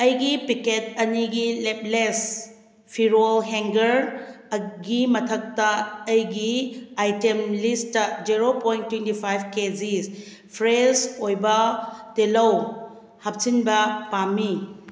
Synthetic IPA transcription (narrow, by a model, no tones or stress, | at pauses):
ɐjɡipiket̚ɐniɡilep̚les | pʰiɾolɦeŋɡɐɾ | ɡimɐtʰɐk̚tɐːjɡiajtemlistɐd͡ʒiɾopojntːwentipʰajbked͡ʒis | pʰɾesojbɐtelɐw | hɐp̚sinbɐpami